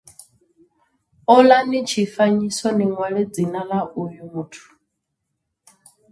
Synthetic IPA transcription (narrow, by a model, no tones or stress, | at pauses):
ɔlanit͡ʃʰifaɲisɔniŋwaɺɛd͡zinalaʔujumuːtʰu̥